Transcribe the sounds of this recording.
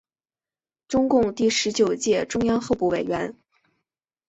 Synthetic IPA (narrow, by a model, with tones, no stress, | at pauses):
ʈ͡ʂʊ˥ŋkʊ˥˧ŋt̪i˥˩ʂɻ̩˧˥t͡ɕjo˨˩ʊt͡ɕjɛ˥˧ʈ͡ʂʊ˥ŋjɑ˥ŋxo˥˧ʊpu˥˩we˨˩ɪɥɛ˧˥n